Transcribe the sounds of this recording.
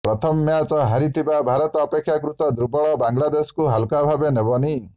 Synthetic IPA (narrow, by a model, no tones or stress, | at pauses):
pɾɔt̪ʰɔmɔmjat͡ʃɔɦaɾit̪ʰibabʱaɾɔt̪ɔːpekʰːjakɾut̪ɔd̪ɾubɔɭɔbaŋlad̪eskuɦalkabʱabenebɔni